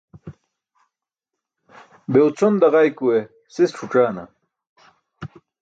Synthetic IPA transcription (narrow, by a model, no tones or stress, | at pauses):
bewt͡sʰond̪ɐʁajkuwe | sisʈ͡ʂʰuʈ͡ʂaːna̰